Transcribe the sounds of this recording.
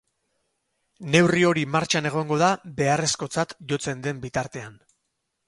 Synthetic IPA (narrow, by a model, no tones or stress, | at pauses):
ne̞wrio̞ɾimaɾt͡ʃane̞ɣ̞o̞ŋɡo̞ðabe̞are̞sko̞t͡sat̪ʝo̞t͡se̞nd̪e̞mbit̪aɾt̪e̞an